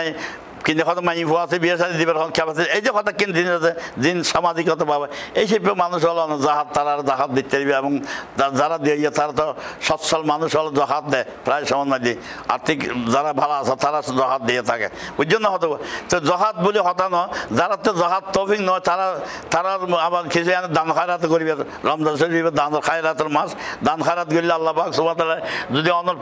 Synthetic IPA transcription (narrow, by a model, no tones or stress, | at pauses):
j | kint̪ekʰɔt̪ɔmaifʰoasibieʃaɾid̪ibeɾkɔkʰːabasiejzekɔt̪akːind̪inʃazed͡zinʃamad͡zikːɔt̪ʰababaejʃipːomanuʃ̬ɔlɔned͡zaɦat̪̚t̪ːaɾaɾzaɦat̪̚d̪it̪ʲːaɾibaɛbɔŋad͡zaɾad̪iojat̪aɾat̪ɔʃɔtsʰɔlmanuʃɔlɔd͡zɔɦat̪̚d̪ɛ | pɾajʃɔmɔnmad̪ia̰ɾt̪ʰikd͡zaɾabʱalaasʰat̪aɾazɔɦat̪̚d̪ejat̪ʰakḛudd͡ʒonːɔɦɔt̪okɔt̪ɔzɔɦat̪̚buliɦɔt̪anɔd͡zaɾat̪ːɔzɔɦat̪ːofiknɔt̪aɾat̪aɾaabakit͡ʃʰuaned̪ankʰajɾat̪̬koɾiba | ɾɔmzas̬oɾɾuibed̪anɔɾkʰajɾat̪ɔɾmasd̪ankʰajɾat̪ɡoɾilalːapaksubat̪alaɾzod̪iɔnoɾ